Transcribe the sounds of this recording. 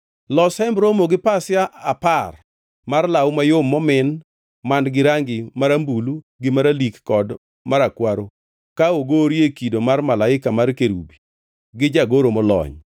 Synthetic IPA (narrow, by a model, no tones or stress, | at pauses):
lɔsɛmbɾomoɡɪpasɪjaʔːpar | marlawmajomːɔmɪn | mandɡɪɾaŋɡɪmaɾambulu | ɡɪmaɾalikːɔd | maɾakwaɾo | kaoɡoɾjekidomarmalaɪkamarkeɾṵbi | ɡɪd͡ʒaɡoɾomɔlɔ̰ɲ